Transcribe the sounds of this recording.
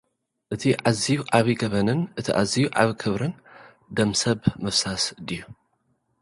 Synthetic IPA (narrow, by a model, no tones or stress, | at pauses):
ʔɨt̪ʰiʕazijuʕaβiɡɐβɐnɨnʔɨt̪ʰiʔa̰zijuʔʕa̰βikʰɨβɾɨn | d̪ɐmsɐβmɨfsasd̪iju